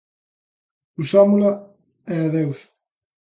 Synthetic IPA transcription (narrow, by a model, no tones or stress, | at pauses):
usɔmula | ɛaðews